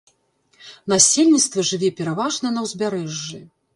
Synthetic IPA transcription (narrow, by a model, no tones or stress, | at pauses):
nasʲelʲnʲit̪st̪vɐʐɨvʲɛpʲɛɾavaʐnɐnɐwzʲbʲaɾɛʐːɨ